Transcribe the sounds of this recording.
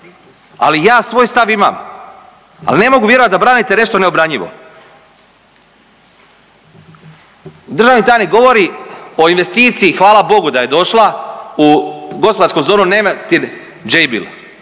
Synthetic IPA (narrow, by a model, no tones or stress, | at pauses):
a̰lijaːsʋoːjst̪aʋima̰m | a̰line̞mo̞ɡuʋjeɾoʋat̪d̪abɾaːnit̪e̞ne̞ʃt̪oneobɾaɲʎiʋo̰ | d̪ɾ̩rʒaːʋnit̪aːjnikɡo̞ʋo̞ɾio̞inʋe̞st̪iːt̪siːxʋaːlabo̞ɡud̪aje̞d̪o̞ʃlˠauɡo̞spoaɾskomzo̞ːnunemat̪in | d͡ʒejbḭl